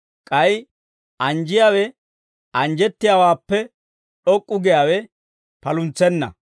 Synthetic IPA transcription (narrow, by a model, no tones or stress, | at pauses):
kʼɐj | ɐnd͡ʒɪjaːwɛ | ɐnd͡ʒɛt̪ːɪjawaːpːɛ | ᶑɔkʼːʊɡɛjaːwɛ | pɐlʊnt͡sɛnːɐ̰